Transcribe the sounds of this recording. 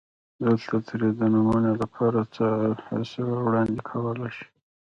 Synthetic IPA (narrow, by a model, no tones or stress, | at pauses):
d̪əlt̪ʰat̪ʰəɾed̪ənumunelapʰɑɾat͡səha̰lsəwawɽɑnd̪ekʰawəlajʃi̥